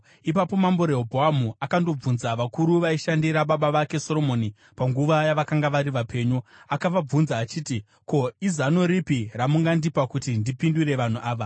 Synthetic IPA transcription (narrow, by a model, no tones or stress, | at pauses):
ipapo̞mambo̞ɾe̞ɦobʱoamuakando̞b͡vunzaʋakuɾuʋaiʃandiɾaɓaɓaʋake̞so̞ɾo̞mo̞ːni | paŋɡuʋajaʋakaŋɡaʋaɾiʋapʰe̞ːɲuakaʋab͡vunzaːt͡ʃiːti | ko̞izano̞ɾipiramuŋɡandipakutindipindure̞ʋan̤uʔaːʋa